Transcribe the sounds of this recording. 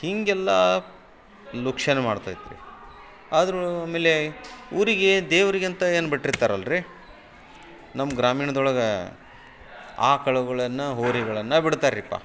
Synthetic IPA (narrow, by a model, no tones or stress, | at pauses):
hiŋɡɛlːɐ | lukʂɐnemaːɽt̪a̰ːjid̪iɾḭ | aːd̪ɾuameːleuːɾiɡed̪eːʋɐɾiɡint̪ɐeːnubiʈːrit̪ːaːɾɐlːɐɾi | nɐmːɐɡɾaːmiːɳɐd̪ɔɭɐɡɐ | a̰ːkɐɭuɡɐɭɐnːɐɦoːɾiɡɐɭɐnːɐbiɽt̪aːɾipːa̰ː